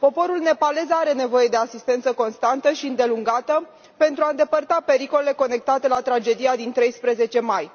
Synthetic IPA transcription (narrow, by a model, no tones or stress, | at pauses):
po̞po̞ɾulne̞pale̞zaɾe̞ne̞vo̞je̞d̪e̞asist̪e̞nt̪səko̞nst̪ant̪əʃiɨnd̪e̞luŋɡat̪ə | pe̞nt̪ɾuaɨnd̪e̞pərt̪ape̞ɾiko̞le̞le̞ko̞ne̞k̚t̪at̪e̞lat̪ɾad͡ʒe̞d̪ijad̪int̪ɾe̞jspɾe̞ze̞t͡ʃe̞maj